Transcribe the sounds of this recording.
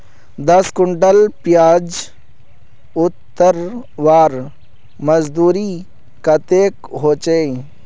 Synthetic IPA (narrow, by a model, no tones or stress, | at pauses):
d̪ɐskʊɳɖəlpɪjaːd͡ʒ | ʊt̪ːəɾʋaːɾ | mɐzd̪uːɾi | kɐt̪eːkɦoːt͡ʃe